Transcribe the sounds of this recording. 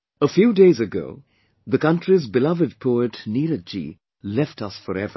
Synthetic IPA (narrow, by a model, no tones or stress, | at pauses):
əfjuːdeɪzɨɡo̰ʊ | ðəkʌ̃ntɹizbɪlʌvəd̚pʰoətniɾəd͡ʒḭ | lɛftʌsfɔɾɛ̰və̰